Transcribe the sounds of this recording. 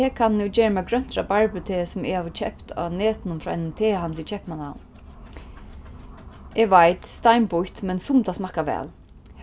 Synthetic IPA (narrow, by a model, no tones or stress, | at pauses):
ɛːkʰanːɛd͡ʒeːɹəmɛɡɾœn̥t̪ɾabaɹpʏt̪ʰeːsʊmɪhaːʋt͡ʃʰɛhpt̪ʰa̰ːneːt̪ɪnʊmfɾɔːa̰jnɪnt̪ʰeːɦant̪lɪt͡ʃʰɛhpmana̰w | ɛʋajt̪st̪ajmpʊht̪mɛnsʊmt̪asmahkaʋɛ̰ːl